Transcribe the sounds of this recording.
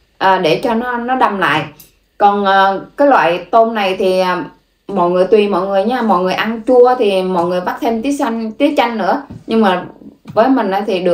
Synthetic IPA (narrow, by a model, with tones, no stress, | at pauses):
ʔəː˨˩ɗe˧˩t͡ɕɔ˧nɔ˨˦nɔ˨˦ɗa˧mla̰ː˧˨j | kɔ˨˩nʔəː˨˩kaː˨˦jlwa̰ː˧˨jt̪o˧nna˨˩jt̪ʰi˨˩aː˨˩ | mɔ̰ː˧˨jŋɨ˨˩əjt̪wi˨˩mɔ̰˧˨jŋɨ˨˩əjɲaː˧mɔ̰˧˨jŋɨ˨˩əjʔa˧nt͡ɕu˧ət̪ʰi˨˩mɔ̰˧˨jŋɨ˨˩əjɓa˦˥t̚t̪ʰe˧mt̪i˨˦ək̚sa˧ŋt̪i˨˦ək̚t͡ɕa˧jŋnɨ̰˧˥əɲɨ˧ŋmaː˨˩vəː˨˦jmï˨˩ŋ̟ʔəː˨˦t̪ʰi˨˩ɗɨ˨˩